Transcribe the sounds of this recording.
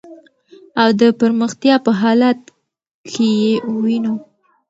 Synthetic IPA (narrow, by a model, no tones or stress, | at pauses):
awd̪əpəɾməxt̪jɑpəɦɑlat̪̚ | kʰejewinu